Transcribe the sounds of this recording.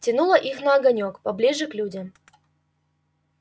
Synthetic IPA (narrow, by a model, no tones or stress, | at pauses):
tʲɪnulˠəʔixnɐːɡɐnʲokpɐblʲiʐɨklʲudʲəm